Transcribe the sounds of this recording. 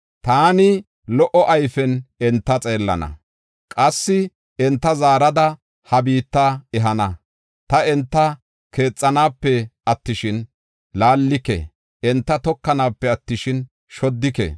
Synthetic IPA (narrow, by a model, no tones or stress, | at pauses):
t̪aːnɪ | lɔʔɔʔɐjfɛnɛnt̪ːɐt͡sʼe̞ːlːɐ̰nɐ̰ | kʼɐsːɪ | ɛnt̪ːɐzaːɾɐd̪ɐ | hɐbiːt̪ːaɛɦɐnɐ | t̪ɐɛnt̪ːɐ | ke̞ːt͡sʼːɐnaːpːɛɐt̪ːɪʃɪn | laːlːɪkɛ̰ | ɛnt̪ːɐt̪ɔkːɐnaːpːɛɐt̪ːɪʃɪn | ʃɔd̪ːɪkɛ̰